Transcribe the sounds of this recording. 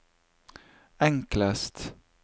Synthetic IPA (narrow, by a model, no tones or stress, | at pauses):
ɛŋkləst̪